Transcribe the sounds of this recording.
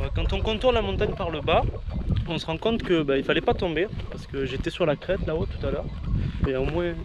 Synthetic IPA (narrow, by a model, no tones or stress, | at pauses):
kɑ̃t̪ɔ̃kɔ̃t̪uʁnlamɔ̃t̪aɲpaʁləbaɔ̃səʁɑ̃kɔ̃t̪kəbailfalɛpat̪ɔ̃bepaʁsə̥kəʒet̪ɛsyʁlakχɛt̪laot̪u̥t̪alœːʁeomwɛ̃